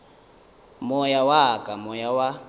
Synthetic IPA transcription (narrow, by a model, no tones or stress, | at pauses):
mɔjawakʼamɔjawa